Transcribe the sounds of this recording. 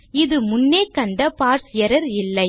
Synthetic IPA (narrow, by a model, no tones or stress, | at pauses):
ɪðɯmʊnːeːkɐɳɖɐpaːɾsɪjɐɾɐɾɪlːɐɪ